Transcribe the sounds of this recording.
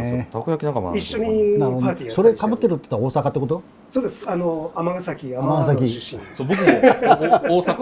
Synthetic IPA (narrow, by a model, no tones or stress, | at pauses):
t̪akɯjakʲinakama̰niɕːoɲinaɾdp̪aːt̪iːso̞ɾekabɯ̟t̪ːeɾɯ̟t̪ːe̥t̪aoːsakat̪ːeko̞t̪o | soːd̪esanoamaɡasakʲiaammaɡasak̬ʲisobokɯmo | oːsak